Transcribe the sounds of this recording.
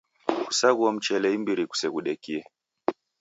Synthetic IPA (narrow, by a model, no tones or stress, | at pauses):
kusaɣuam̩t͡ʃɛlɛimbiɾiku̥sɛɣuɗɛkiɛ